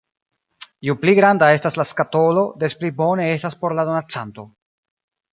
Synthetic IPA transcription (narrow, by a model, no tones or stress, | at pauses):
jupliɡɾandae̞staslaskato̞lo̞desplibo̞ne̞e̞staspo̞ɾladonat͡santo̞